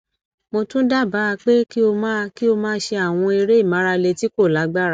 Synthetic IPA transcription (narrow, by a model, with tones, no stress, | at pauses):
mo˧tũ˦da˦˨ba˨˦a˧k͡pe˦ki˦o˧mãː˦ki˦o˧mãː˦ʃe˧a˦˨w̃ɔ̃˧i˧ɾe˦i˦˨mã˨˦ɾa˧le˧ti˨˦ko˦˨la˨˦ɡ͡ba˦˨ɾa˨˦